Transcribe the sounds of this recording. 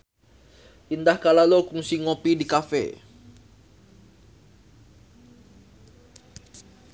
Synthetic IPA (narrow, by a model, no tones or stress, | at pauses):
ʔindahkalalokuŋsiŋopidikafḛ